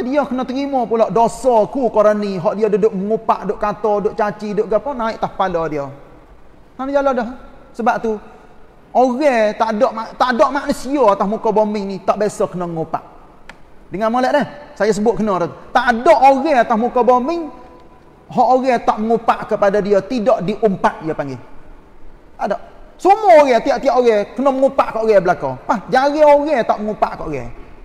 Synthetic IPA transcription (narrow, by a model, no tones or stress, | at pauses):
adiɔkənɔt̪əɾimɔpulɔʔdosɔkukoɾoniɦɔʔdiodədʊʔməŋupaʔdoʔkat̪ɔdʊʔt͡ʃat͡ʃidʊʔɡapɔnaɪʔt̪ahpalɔdio | sanad͡ʒalodɔɦsəbap̚t̪u | oɣɛt̪aʔdɔʔmat̪aʔdoʔmaʔnusiɔat̪ahmukɔbomɪŋnit̪aʔbesɔkənoməŋupa̰ʔ | dəŋanmolɛʔlɛhsajas̬əbʊʔ̚kənɔɾɔt̪t̪aʔdɔʔoɣɛat̪ahmukɔbomɪŋ | ɦɔʔoɣɛt̪ɔʔməŋupaʔkəpadadiot̪idɔʔdiʔumpaʔ̪̚ijɔpaŋɡi | t̪adɔʔsumɔoɣɛt̪iɔʔt̪ioʔoɣɛkənɔməŋupaʔkoʔɣɛbəlako̰pahd͡ʒaɣeoɣɛt̪aʔməŋupaʔkoʔoɣɛ̰